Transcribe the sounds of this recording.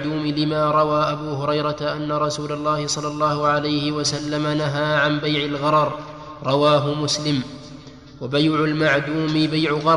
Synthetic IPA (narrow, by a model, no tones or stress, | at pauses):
d̪uːmɪlɪmaːɾˤɑwaːʔabuːɦʊɾɑjɾɑt̪aʔanːaɾˤɑsuːlɑlˤːɑːhɪsˤɑlːɑlˤːɑːhʊʕalajhɪwasalːamanaɦaːʕambajʕɪlɣɑɾˤɑɾˤ | ɾˤɑwaːɦʊmʊslɪm | wabajʕʊlmaʕd̪uːmɪbajʕʊɣɑɾˤ